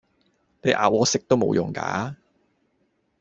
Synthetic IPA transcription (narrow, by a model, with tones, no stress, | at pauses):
ne˨˧jʔa̰ː˨wɔː˨˧˥sɪ˥k̚t̪o˥wmo̰˨˧wjʊ̰˨˩ŋka̰ː˨˥